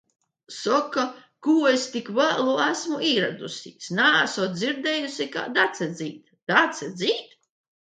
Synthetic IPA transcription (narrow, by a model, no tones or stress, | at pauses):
sɔkːa | kuːest̪ikvæːlˠuæsmuiːɾa̰d̪usʲiːsnaːæsɔt̪d̪ziɾd̪ɛːjusʲika̰d̪at̪sɛd̪ziːt̪ | d̪̥at̪sɛd̪ziːt̪